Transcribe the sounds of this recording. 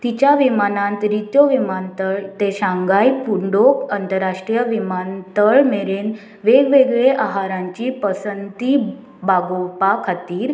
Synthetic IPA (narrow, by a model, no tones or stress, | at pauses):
t̪it͡ɕjaʋimanãnt̪ɾit̪joʋimant̪əɭt̪eɕãŋɡajpuɳɖokənt̪əɾːaʂʈɾijəʋimant̪əɭmeɾen | ʋeɡʋeɡɭeʔaɦaɾãɲt͡ɕiːpəsənt̪i | baɡopakʰat̪iːɾ